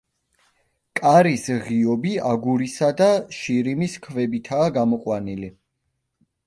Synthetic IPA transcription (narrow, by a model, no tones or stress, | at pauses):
kʼaɾisʁiɔbiaɡuɾisad̪aʃiɾimiskʰvɛbit̪ʰaːɡamɔqʼwanili